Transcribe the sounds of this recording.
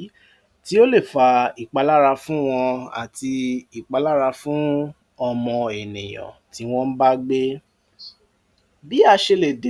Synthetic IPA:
ti˦o˦le˦˨fa˧i˨k͡pa˨˧la˦ɾa˧fũ˦w̃ɔ̃˧a̰˨ti˧i˨k͡pa˨˧˦la˦ɾa˧fũ˦ | ɔ˧mɔ̃˧e˨nḭ̃˨j̃ɔ̰̃˨ti˨˦w̃ɔ̃˦n̩˦ba˦ɡ͡be˦ | bi˦a˧ʃe˧le˨de˨

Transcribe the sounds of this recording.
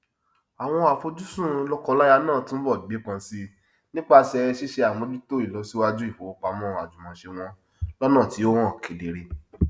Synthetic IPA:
a˨w̃ɔ̃˧a˨fo˧d͡ʒu˦sũ˦˨˦lɔ˦kɔ˧la˦ja˧nãː˦˨tũ˦n̩˦bɔ˦˨i˨ɡ͡be˨˦k͡pã˧˦si˦ | nĩ˦k͡pa˦˨sɛ˧ɾɛ˧ʃi˦ʃe˧a˨mɔ̃˨˧˦di˦to˦i˦˨lɔ˨˦si˦wa˧d͡ʒu˦i˦˨fo˨˦o˧k͡pa˨˧mɔ̃˦˨a̰˨d͡ʒu˨mɔ̃˨˧ʃe˧w̃ɔ̃˧˦ | lɔ˦nã˦˨ti˨˦o˦wɔ̃˦˨kʰe˨˦de˨ɾe˧

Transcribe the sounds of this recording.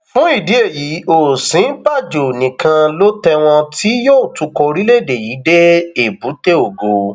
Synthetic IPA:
fũ˦i˦˨di˨˦e˦˨ji˨˦o˨sĩ˨˦ba˦˨d͡ʒo˨nĩ˨kã˧lo˦tɛ˧w̃ɔ̃˧tʰi˦joː˦˨tu˧ko˧ɾi˦le˦˨de˨ji˨˦de˦e˦˨bu˨˦te˦o˨ɡo˨

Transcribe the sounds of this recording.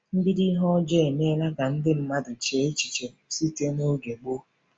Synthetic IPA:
m̩˦bi˦di˦ɦɔ˦d͡ʒe˦˨ne˦la˦ɡa˨n̩˦dɪ˦m̩˦ma˦dʊ˨t͡ʃe˨˦e˦t͡ʃi̥˨t͡ʃe˨si˦te˦no˦ɡe˨ɡ͡bo˦

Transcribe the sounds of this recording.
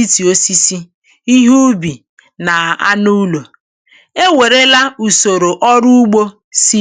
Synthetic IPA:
i˦ti˨o˦si˦si˦ | i˦ɦu˦bi˨ | na˨a̰˦nu˦lo˨ | e˦we˨ɾe˦la˦u˨so˨ɾo˨ʔɔ˦ɾu˦u˦ɡ͡bo˦ | si˦

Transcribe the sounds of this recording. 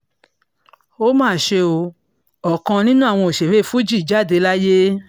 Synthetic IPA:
o˦mãː˦˨ʃe˧o˧ | ɔ˨kã˧nĩ˦nũ˦a˦˨w̃ɔ̃˧o˨ʃe˨we˦˨fu˦d͡ʒi˦˨d͡ʒa˦˨de˧˦la˦je˦

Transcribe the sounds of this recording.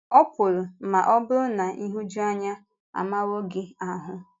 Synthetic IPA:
ɔ˦pʊ˨ɾʊ˨ma˨ʔɔ˦bʊ˦ɾʊ˦na˨ʔi˦ɦu˦d͡ʒu˦a˦ɲa˦ | a̰˨ma˦wo˦ɡɪ˦a˨ɦʊ˦

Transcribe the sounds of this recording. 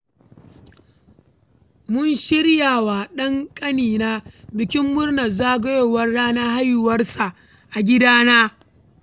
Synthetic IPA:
mʊ˦nʃɪ˦ɽjaː˨waː˨ɗɐ˦ŋkʼɐ˦niː˨naː˦bɪ˨kʲɪ˦mːʊ˦rnɐ˨zaː˦ɡɐ˦jo˨wɐ˦rːaː˦naː˦ɦa˦ju˨wɐ˦rsa˨ | ʔa˨ɡʲɪ˦daː˦naː˦

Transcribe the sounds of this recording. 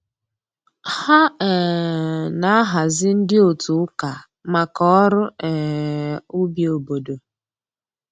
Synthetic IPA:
ha˦ɛ˨ | na˨a˦ɦa˨zɪ˦n̩˦dɪ˦o˨tu˨˦ka˨ | ma˨kɔ˦ɾʊ˦ɛ˨ | u˦bi˨o˨bo˨do˨

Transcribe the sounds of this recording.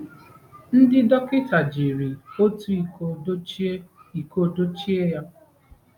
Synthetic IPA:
n̩˦dɪ˦dɔ˦kɪ˦ta˨d͡ʒi˨ɾi˨o˦tu˨˦i˨˦ | i˨ko˦do˦t͡ʃi˦e˦ja˦

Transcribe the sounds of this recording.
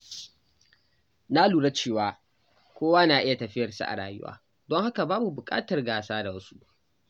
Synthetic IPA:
na˦luː˨ɽa˦t͡ʃeː˦˨waː˦ | kʷoː˦waː˦naː˨ʔɪ˦ja˨tɐ˨ɸɪ˦jɐ˨rsa̰˦ʔa̰˨ɽaː˨jʊ̰˦wa̰ː˦ | dɔ˦ŋha˦ka˨baː˦bu˨bʊ˨kʼa̰ː˦tɐ˨rɡaː˨saː˦da˨wɐ˦su˦ʔ

